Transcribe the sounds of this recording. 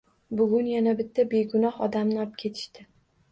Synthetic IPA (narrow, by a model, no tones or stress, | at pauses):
bʊɡʲʊnjanabɪt̪ʰːabe̞ɡʊnɒhɒd̪amnɪɒp̚kʲʰe̞t̪ʰɪ̥ʃt̪ɪ